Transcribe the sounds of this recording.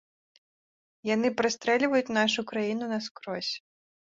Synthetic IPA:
janɨpɾɨst̪ɾɛlʲvɐjut͡sʲnaʂukɾajinunɐskɾɔsʲ

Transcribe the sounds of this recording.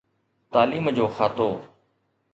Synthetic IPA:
t̪aːliːmd͡ʑoːxaːt̪oː

